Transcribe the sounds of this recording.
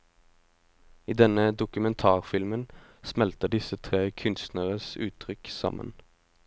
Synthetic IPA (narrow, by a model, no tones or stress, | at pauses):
iːd̪ɛnəd̪ʊkʉmɛnt̪ʰɑːʁfɪlmənsmɛlt̪əd̪ɪsət̪ʰʁeːkʰʉnst̪nəʁəsʉ̰ːt̪ʰʁʏksɑ̰mə̰n